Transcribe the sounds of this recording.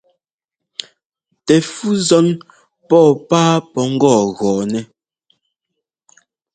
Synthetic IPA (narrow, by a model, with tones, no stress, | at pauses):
tɛ˨fu˦zɔ˦n | pɔː˦˨paː˦pɔ˨˦ŋ̩˦ɡɔː˦˨ɣɔː˨nɛ˦